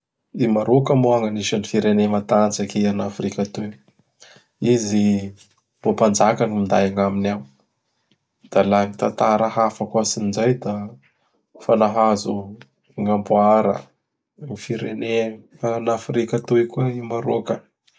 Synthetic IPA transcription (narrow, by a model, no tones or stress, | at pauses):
imaɾokəmoaŋaniʃanifiɾenemat̪at͡sakeanafrikat̪uj | izi | bopand͡ʒakanimind̪ajaŋaminaw | d̪̥alaŋit̪at̪aɾaɦafakuasinzajd̪a | fanaɦazu | ŋambuaɾə̰ | ŋifiɾene | anafrikat̪ujkuaimaɾokə